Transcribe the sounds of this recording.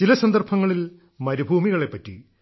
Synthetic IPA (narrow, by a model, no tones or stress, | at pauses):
t͡ɕilɐsɐnd̪ɐrbʰʱɐŋːɐɭil | mɐɾubʱuːmiɣɐɭe̞pːɐtːḭ